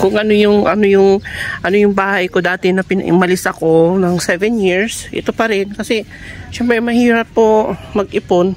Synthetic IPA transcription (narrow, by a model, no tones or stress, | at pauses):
kʊŋʔɐno̞jʊŋʔɐ̰no̞jʊŋʔɐnojʊŋbaːhɐjko̞d̪aːt̪ɛnɐpɪnɐ̰ʔɪ̰mɐlɪsɐko̞nɐŋsɛvɛnjiɹsʔɪ̰t̪opɐɾɪnkɐsɛʃɛmpɾɛʔɐjmɐhiːɾɐpːo̞mɐɡ̚ʔɪpon